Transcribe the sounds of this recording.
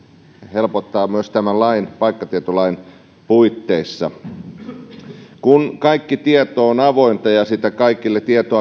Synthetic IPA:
helpot̪ːɑːmyøst̪æmælɑinpɑikːɑt̪iet̪olɑin | puit̪ːeisːɑ̰ | kunkɑikːit̪iet̪oːnɑʋoint̪ɑjɑsit̪ækɑikilːet̪iet̪oɑ

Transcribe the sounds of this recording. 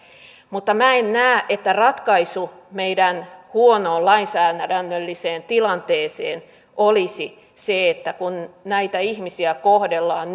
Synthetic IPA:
mut̪ːɑmæennæːʔet̪ːærɑt̪kɑisumeidænhuonoːlɑinsæːnædænːølːiseːnt̪ilɑnt̪eːseːn | olisi | seet̪ːækunnæit̪æihmisiækohdelːɑːn

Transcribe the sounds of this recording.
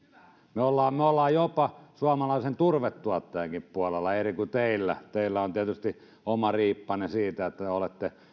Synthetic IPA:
meolːɑːmmeolːɑːjjopɑsuɑmɑlɑˑisent̪urʋet̪tuɑt̪ːɑjɑŋkippuɑlelːɑerikut̪eˑilːæ̰t̪eˑilːæont̪iet̪yst̪i | ʔomɑriːpːɑnesiːt̪æet̪ːæeolet̪ːe

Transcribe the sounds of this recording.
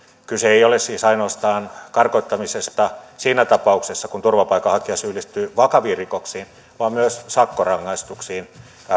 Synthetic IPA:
kyseeiolessiːsɑinoːst̪ɑːnkɑrkoit̪ːɑmisest̪ɑsiːnæt̪ɑpɑuksesːɑkunt̪urʋɑpɑikːɑhɑkiɑsyːlist̪yːʋɑkɑʋiːrikoksiːn | ʋɑːmmyøssɑkːorɑŋːɑist̪uksiːn

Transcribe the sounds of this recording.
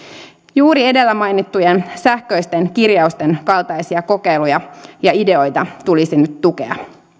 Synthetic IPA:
juːɾie̞de̞lːæmɑjnit̪ːujensæhkø̞jst̪enkirjɑust̪e̞nkɑlt̪ɑjsiɑko̞ke̞jlujɑjɑide̞o̞jt̪ɑt̪ulisinyt̪ːuke̞̰ɑ̰

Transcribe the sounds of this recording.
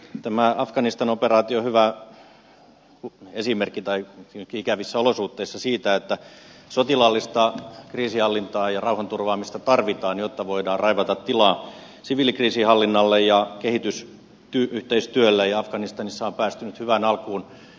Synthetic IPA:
t̪æmæɑfkɑnist̪ɑnoperɑːt̪iohyʋæ | kuesimerkːit̪ɑikiikæʋisːæolosuht̪ːeisːɑsiːt̪æet̪ːæsot̪ilɑlːist̪ɑkriːsihɑlːint̪ɑːjɑrɑuhɑnt̪urʋɑːmist̪ɑt̪ɑrʋit̪ɑːnjot̪ːɑʋoidɑːrrɑiʋɑt̪ɑt̪t̪ːilɑː | siʋiˑlikriːsihɑlːinːɑlːejjɑkehit̪ys | t̪yyht̪eist̪yølːæjɑɑfɡɑnist̪ɑnisːɑompæːst̪ynyt̪hyʋænɑlkuːn

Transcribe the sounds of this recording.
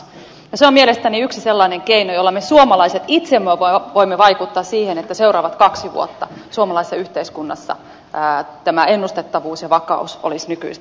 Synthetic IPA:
jɑseomielest̪æniyksiselːɑineŋkeinojolːɑmesuomɑlɑiset̪it̪semːøʋoimːeʋɑikut̪ːɑːssiːhenet̪ːæseurɑːʋɑt̪kɑksiʋṵo̰t̪ːɑsuomɑlɑisːɑyht̪eiskunːɑ̰sːɑ̰ | t̪æmæenːust̪et̪ːɑʋuːsjɑʋɑkɑ̰uso̰lisnyky̰is

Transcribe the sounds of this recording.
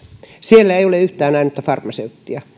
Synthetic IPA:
sielːæeijoleyht̪æːnæinːyt̪ːæfɑrmɑseut̪ːiɑ

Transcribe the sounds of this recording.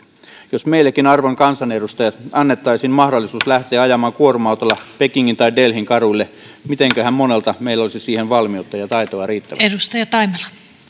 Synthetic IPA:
josmeilːˑækinɑrʋoŋkɑnsɑnedust̪ɑjɑt̪ɑnːet̪ːɑisinmɑhdolːˑisuːslæht̪eːɑjɑmɑːŋkuorumɑut̪olːɑpekiŋːint̪ɑidelhiŋkɑruilːe | mit̪eŋkøhæmmonelt̪ɑmeilæolisisiːhenʋɑlmiout̪ːɑjɑt̪ɑit̪oɑriːt̪ːæ̰ʋ̰æedust̪ɑjɑt̪ɑimelɑ

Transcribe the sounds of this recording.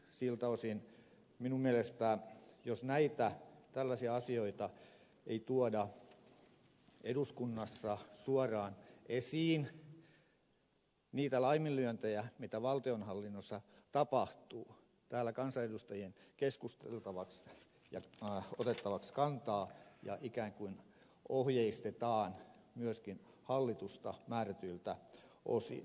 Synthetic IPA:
silt̪æosin | minummiælest̪æːjosnæit̪æt̪ælːæsiɑɑsioit̪ɑ | eit̪uɑdɑ | eduskunːɑsːɑsuɑrɑːnʔesiːn | niːt̪ælɑimillyønt̪ejæmit̪æʋɑlt̪ionhɑlːinːosːɑt̪ɑpɑht̪uː | t̪æːlːækɑnsɑedust̪ɑjienkeskust̪ḛlt̪ɑʋɑks | jɑot̪et̪ːɑʋɑkskɑnt̪ɑːjɑ̰ʔikæːŋkuin | ʔohjeist̪et̪ɑːn | myøskin | hɑlːit̪ust̪ɑmæːræt̪yilt̪æʔo̰sḭ

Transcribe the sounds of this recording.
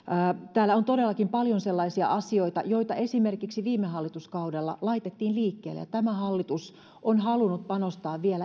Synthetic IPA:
t̪æːlːæont̪ode̞lːɑkimpɑljonselːɑisiɑ̰ʔɑsio̞it̪ɑ̰jo̞it̪ɑe̞simerkiksiʋiːmeɦɑlːit̪uskɑudelːɑ̰lɑit̪et̪ːiːnliːkːḛːlːḛjɑ̰t̪æmæhɑlːit̪us | ʔonhɑlunut̪̚pɑnost̪ɑːʋʋielæ

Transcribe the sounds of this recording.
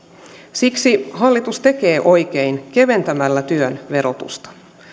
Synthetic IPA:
siksiɦɑlːit̪ust̪e̞ke̞ːʔo̞jk̟einke̞ʋe̞nt̪æmælːæt̪yønʋe̞ɾo̞t̪ṵst̪ɑ̥

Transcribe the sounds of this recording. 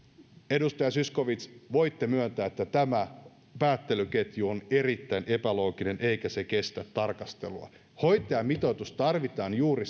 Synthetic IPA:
e̞dust̪ɑjɑsysko̞ʋit̪sʋo̞jt̪ːemyønt̪æːet̪ːæt̪æmæ | pæːt̪ːelyke̞t̪juone̞rit̪ːæinʔe̞pælo̞ːkine̞nʔeijkæseke̞st̪æt̪ːɑrkɑst̪e̞luɑ̰ | ho̞jt̪ˑejɑmit̪ot̪ust̪ɑrʋit̪ɑːnjuːɾi

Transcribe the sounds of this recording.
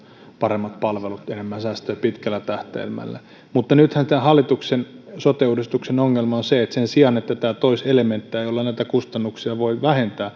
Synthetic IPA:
pɑɾemːɑt̪̚pɑlʋelut̪enemːænsæːst̪øːpit̪kælːæt̪æht̪ḛːlmæ̰lːæ̰ | mut̪ːɑnyt̪hænst̪ænhɑlːˑit̪uksensot̪euːdist̪uksenoŋːelmɑonseet̪sensiɑnet̪ːæt̪æːt̪oiselement̪ːiæjolːɑnæit̪ækust̪ɑnːuksiɑʋoiʋæhent̪æː

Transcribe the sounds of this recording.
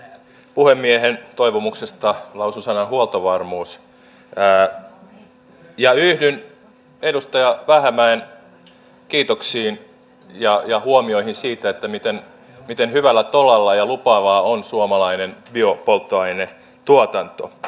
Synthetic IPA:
puhemːiehent̪oiʋomuksest̪ɑlɑususɑnɑhuolt̪oʋɑrmuːsː | jɑyhdyn | edust̪ɑjɑʋæhæmæen | kiːt̪oksiːn | jɑjɑhuomioihinsiːt̪æet̪ːæmit̪en | mit̪enhyʋælːæt̪olɑlːɑjɑlupɑːʋɑːonsuomɑlɑinenbiopolt̪ːoɑine | t̪uot̪ɑnt̪o̰

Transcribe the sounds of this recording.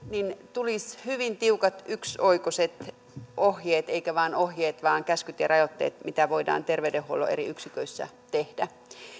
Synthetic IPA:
nint̪ulishyʋint̪iukɑt̪yksoikoset̪ | ʔohjeːt̪eikæʋɑːnohjeːt̪ʋɑːŋkæskyt̪jɑrɑjot̪ːḛːt̪mit̪æʋoidɑ̰ːnt̪erʋeydehːuolo̰eɾiyksikøisːæ̰ | t̪ehd̥æ

